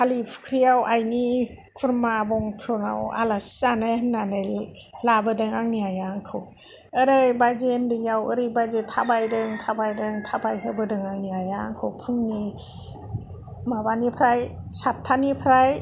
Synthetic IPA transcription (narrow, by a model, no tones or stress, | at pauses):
kʰalipʰu̥kʰɾijawʔajni | kʰuɾmabɔŋkʰɾɔna̰wa̰lasanenane | labɯdɯŋaŋniajaŋkʰɯwəɾejbajzendɯjawɯ̰ɾibajzetʰabajdɯŋtʰabajdɯŋtʰabajɦɯbɯdɯŋaŋniajaŋkʰɯwpʰɯmni | mabanipʰɾaj | satʰːanipʰɾaj